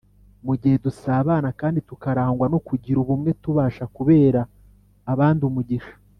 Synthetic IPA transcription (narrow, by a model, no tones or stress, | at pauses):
muɟihedusaːβaːnakaːnditukaɾaːŋɡwanokuɟiɾuβumŋe̞tuβaːʃakuβe̞ːɾaː | βaːndiumuɟiʃḁ